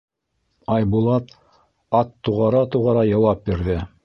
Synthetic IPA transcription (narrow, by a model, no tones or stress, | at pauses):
ɑjbulˠɑt̪ | ɑt̪ːuʁɑɾɑt̪uʁɑɾɑjɑwɑp̚biɾðɘ